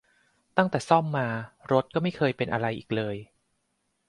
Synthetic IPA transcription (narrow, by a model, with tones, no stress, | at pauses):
t̪a˥˩ŋt̪ɛː˨˩sɔ˥˩mːaː˧ɾo˦˥t̪̚kɔː˥˩ma˥˩jkʰɤː˧jpe˧nʔa̰˧ɾa˧jʔiː˨˩k̚lɤː˧j